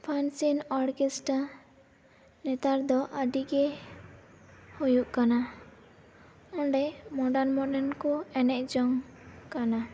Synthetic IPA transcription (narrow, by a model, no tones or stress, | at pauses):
pʰansinɔɾkesʈa | nɛt̪aɾd̪ɔʔaɖiɡɛ | hojuʔkana | ɔɳɖɛmɔɖaɾnmɔɖɛnkɔɛnɛʔd͡ʒɔŋkana